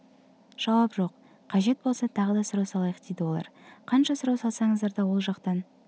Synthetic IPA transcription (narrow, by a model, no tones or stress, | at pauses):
ʒ̥ɑwɑpʒo̞q | qʰːɑʒe̞t̪̚bo̞lˠsɑt̪ʰɑʁəd̪ɑsʊɾɑwsɑlˠɑjəqd̪e̞jd̪ɪwo̞lˠɑ̰ɾqʰɑnʃɑsʊɾɑwsɑlˠsɑɴəzd̪ɑɾd̪ɑwo̞lˠʒɑqt̪ɑn